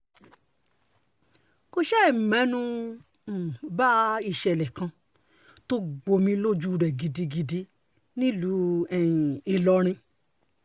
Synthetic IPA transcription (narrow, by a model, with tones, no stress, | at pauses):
ko˧ʃɛ˦˨m˨mɛ̃˨˦nũ˧˨ | ba˦i˦˨ʃɛ˨lɛ˨kã˧ | to˦ɡ͡bo˧mĩ˧lo˦d͡ʒu˦˨ɾɛ˨ɡi˧di˧ɡi˧di˧ | nĩ˦lu˨˦ɛ˨e˨lɔ˧ɾ̃ĩ˧